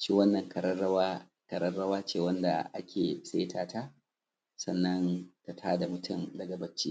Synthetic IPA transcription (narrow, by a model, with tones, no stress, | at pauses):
ʃiː˦wɐ˦nːɐ˨ŋkʰɐ˨ɾɐ˦ɐ˦wa˦ | kɐ˨ɾɐ˦rɽɐ˦waː˦t͡ʃeː˦˨wɐ˦nda̰˨ʔa˦kʲʰeː˨se˦tʰaː˦tʰaː˦ | sɐ˨nːɐ˦nta˨tʰaː˦da˨mʊ˦tʰʊ˦mdɐ˨ɡɐ˨bɐ˦t͡ʃːḭː˦